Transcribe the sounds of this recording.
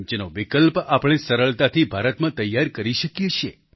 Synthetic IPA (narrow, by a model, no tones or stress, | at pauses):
t͡ʃenoʋikəlpapɽ̃esəɾəɭt̪at̪ʰibʱaɾət̪mãt̪əjːaɾkəɾiʃəkjet͡ʃʰe